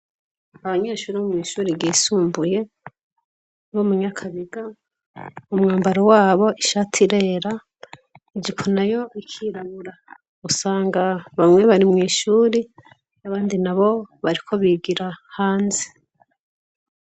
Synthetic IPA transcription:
aβaɲe̞ːʃuːɾiaumŋiːʃuːɾiɡiːsuːmbuje̞ | βomuɲakʰaβiɡa | umŋaːmbaɾo̞waːβo̞ʔiʃatʰiɾe̞ɾa | iɟipʰunajo̞ikʰiːɾaβuɾa | usaːŋɡaβamŋwe̞βaɾimŋiːʃuːɾi | aβaːndinaβo̞βaɾikʰo̞βiɡiɾahaːnze̥

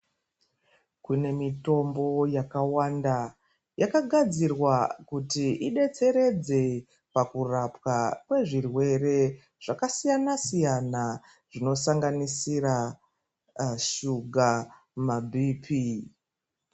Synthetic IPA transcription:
kune̞mito̞mbo̞jakawanda | jakaɡʱad͡zirwakutiiɗe̞t͡se̞ɾe̞d͡ze̞ | pakurapwakwe̞ʐirwe̞re̞ | ʐ̥akasijanasijana | ʐ̥ino̞saŋɡanisira | ʃuɡʱa | mabʱiːpʰi

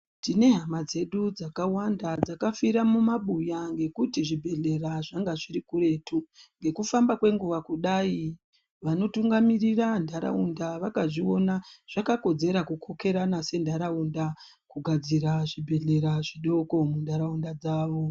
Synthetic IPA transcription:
tine̞ɦamad͡ze̞ɗud͡zakawandad͡zakafiɾamumaɓujaŋɡe̞kutiʐibʱe̞ɮe̞raʐaŋɡaʐirikure̞ːtuŋɡe̞kufambakwe̞ŋɡuʋakuɗai | ʋano̞tuŋɡamirirandʱaɾa̰undaʋakaʐio̞naʐ̥akako̞d͡ze̞ɾakukʰo̞ke̞ɾanase̞ndaɾaunda | kuɡʱad͡ziɾaʐibʱe̞ɮe̞ɾaʐiɗo̞ko̞mundʱaɾaundad͡zaːʋo̞

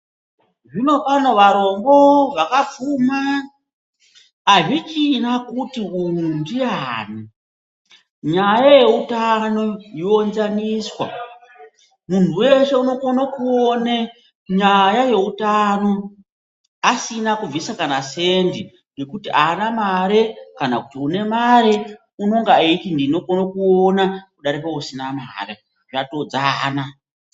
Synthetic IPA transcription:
ʐino̞pano̞ʋaɾo̞ŋɡo̞ʋakap͡fuma | ʐit͡ʃinakutiun̤undiaːni | ɲajaje̞utano̞ionzaniːswa̰ | mun̤uwe̞ʃe̞uno̞konakuone | ɲajaje̞utano̞ | asinakuvisakanase̞ndi | ŋɡe̞kutiʔanamaɾekanakutiune̞maɾe | uno̞ŋɡaeitindino̞konokuo̞nakuɗaɾipausinama̰re | ʐato̞d͡zaːna

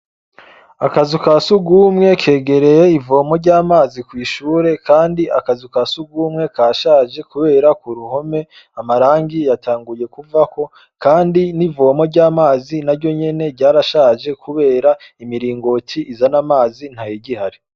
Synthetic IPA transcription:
akazikasuɡuːmŋe̞kʰe̞ːɡe̞ɾe̞je̞ivo̞ːmo̞ɾɟaːmaːzikwiːʃuːɾe̞kaːndiakazikasuɡuːmŋe̞kaːʃaːʒe̞kuβe̞ːɾakuɾuho̞me̞ | amaɾaːŋɡijatʰaːŋɡuje̞kuvako̞ | kaːndinivo̞mo̞ɾɟaːmaːzinaɾɟo̞ɲe̞ne̞ɾɟaːɾaʃaːʒe̞kʰuβe̞ːɾa | imiɾiːŋɡo̞tʰiʔizanamaːzin̥hajiɟihaɾi

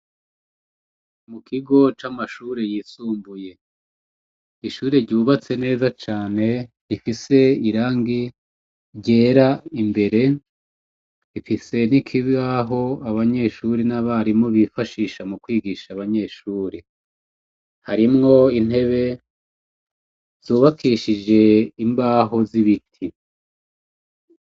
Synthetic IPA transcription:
mukʰiɡo̞t͡ʃamaʃuːɾejiːsuːmbuje̞ | iʃuːɾeɾɟuːβat͡se̞ne̞ːzat͡ʃaːne̞ | ifise̞iɾaːŋɡi | ɟe̞ːɾaimbe̞ɾe̞ | ifise̞n̥ikʰiβaɦo̞aβaɲe̞ʃuɾenaβaɾimŋo̞βifaʃiːʃamukwiːɡiʃaβaɲe̞ʃuːɾe | haɾimŋo̞in̥he̞βe̞ | z̥uːβakiʃid͡ʒe̞imbaːɦo̞ziβitʰi

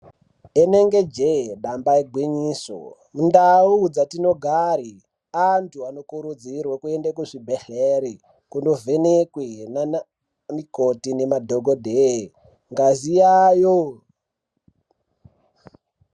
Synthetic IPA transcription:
ene̞ŋɡe̞d͡ʒeɗambaeɡʱwiɲiːso̰ | mundaud͡zatino̞ɡʱaɾi | antʰuano̞kuɾud͡zirwakue̞ndakuʐibʱeɬeɾi | kundo̞vʱe̞nekwena | mikotinemadʱoɡʱodʱe | ŋɡazijajo

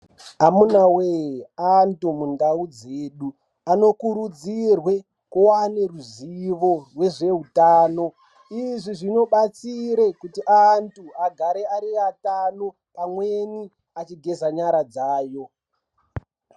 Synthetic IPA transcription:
amunaweantumundaud͡zeːɗu | ano̞kuɾud͡zirwe | kuwaneruziʋo̞rwe̞ʐe̞ɦutaːno̞ | iʐiʐino̞ɓat͡siɾekutiʔantuaɡʱaɾeaɾiatano | amweni | at͡ʃiɡʱe̞zaɲaɾad͡zaːjo̞

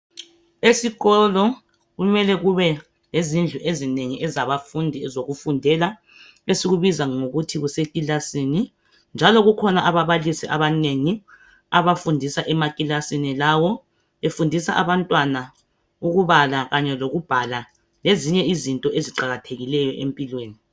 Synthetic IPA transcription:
esiɣɔlɔ | ɣumɛlɛɣuβɛ | lezind͡ɮʱuʔezineŋiʔɛzaβafundʱizoɣufundʱɛla | esiɣuβizaŋoɣutʰiɣusekʼilasini | nd͡ʒʱalɔɣukʰɔnaʔaβaβalisiʔa̰βaneŋi | aβafundʱisaʔɛmakʼilasinilawɔ | efundʱisa̰ʔaβantʼwana | uɣuβalaɣaɲɛloɣub̥ʱala | leziɲɛizintʼɔʔeziǃaɣatʰeɣilɛjɔʔḛmpʼilweːni

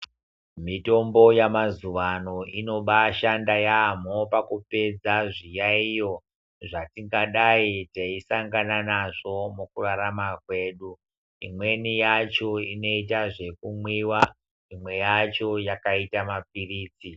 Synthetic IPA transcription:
mito̞mbo̞jamazuʋano̞ʔino̞ɓaʃandajamopakupe̞d͡zaʐijaijo̞ | ʐatiŋɡaɗaitaisaŋɡananaʐo̞mukuraɾamakwe̞ːɗu | ḭmwe̞nijat͡ʃo̞ino̞it̬aʐe̞kumwiwa | imwe̞jat͡ʃo̞jakaitamap̚iriːt͡si

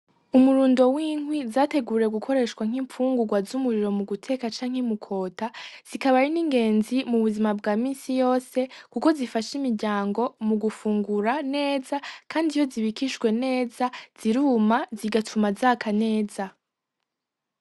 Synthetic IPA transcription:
umuɾuːndo̞wiːŋwizaːte̞ɡuːɾe̞ɡukʰo̞ɾe̞ʃkwaŋ̥iːmfuːŋɡuɡwazumuɾiɾo̞muɡutʰe̞kat͡ʃaːŋ̥hemukʰo̞ːtaz̥ikaβaɾiniːŋɡe̞ːnzimuβuzimabɡaːmiːnsijo̞ːse̞kuko̞zifaʃimiɾɟaːŋɡo̞muɡufuːŋɡuɾane̞ːzakʰaːndijo̞ziβikiʃɡwe̞ne̞ːzaz̥iɾuːmaziɡatʰumazakʰane̞ːza

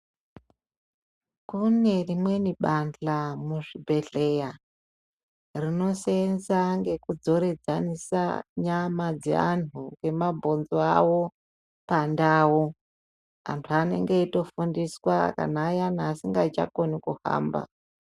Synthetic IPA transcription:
kune̞rimwe̞niɓanɬamuʐibʱe̞ɮe̞ja | rino̞senzaŋɡe̞kud͡zo̞ɾe̞d͡zanisa̰ɲamad͡zḛa̰n̤ukɡe̞mabʱo̞nzoawo̞ | pandaːwo | a̰ntʰuane̞̰ŋɡeito̞fundiswaka̰naːjanaːsiŋɡat͡ʃa̰ko̞nikuha̰ːmba̰

